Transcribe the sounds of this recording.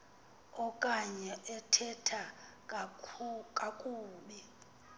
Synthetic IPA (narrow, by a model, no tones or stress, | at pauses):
ɔkʼaɲɛʔɛtʰɛtʰa | kʼakʼuːɓi